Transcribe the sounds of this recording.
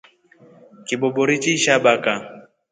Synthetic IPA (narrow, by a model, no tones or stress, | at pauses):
kibɔbɔɾit͡ʃiʃabaka